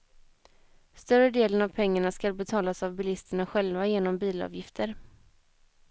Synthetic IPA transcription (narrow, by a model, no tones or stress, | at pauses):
st̪œɾəd̪eːlənavpʰɛŋːaɳaskalbɛt̪ʰɑːlasavbɪlɪst̪əɳaɧɛlvajeːnɔmbiːlɑ̰ːvjɪft̪ʰəɾ